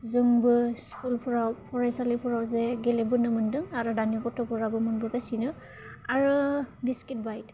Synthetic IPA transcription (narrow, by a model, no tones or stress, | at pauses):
zɯŋbɯskulpʰɔɹawpʰɔɹajsalipʰɔɹawzɛɡɛlɛbɯnɯmɯndɯŋaɾɔdanipɔtɔpɔɹabɯmɯnbɯkasinɯ | aɹubiskit̚bajt